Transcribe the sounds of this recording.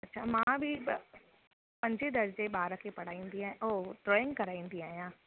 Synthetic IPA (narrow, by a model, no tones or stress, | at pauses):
ɐtːʃʰamãbʱi | pɐ̃ɲt͡ʃed̪ɐɾd͡ʒebaːɾakepɐɽ̤aːĩnd̪iɦɛ̃ʔoːʈɾoːɪ̃ŋɡkɐɾaːĩnd̪iɦɛ̃jãː